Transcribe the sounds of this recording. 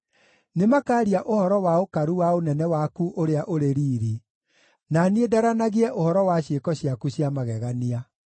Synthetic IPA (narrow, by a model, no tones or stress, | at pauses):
nemakaːɾiaʔohɔɾɔwaokaɾuwaonɛnɛwakuʔoɾeaʔoɾeɾiːɾi | naniedaɾanaɣiɛʔohɔɾɔwaɕekɔɕiakuɕiamaɣɛɣania